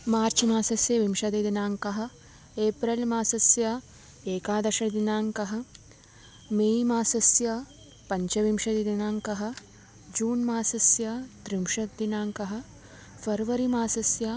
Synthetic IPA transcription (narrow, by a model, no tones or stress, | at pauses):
maːɾt͡ʃmaːsɐsjɐʋimʃɐd̪id̪inaːŋkɐɦɐ̆ | eːpɾɐlmaːsɐsjɐ | eːkaːd̪ɐʃɐɳɐd̪inaːŋkɐɦɐ̆ | meːmaːsɐsjɐ | pɐɲt͡ʃɐʋimʃɐd̪id̪inaːŋkɐɦɐ̆ | d͡ʒuːnmaːsɐsjɐt̪ɾimʃɐt̪d̪inaːŋkɐɦɐ̆ | fʰɐɾʋɐɾimaːsɐsjɐ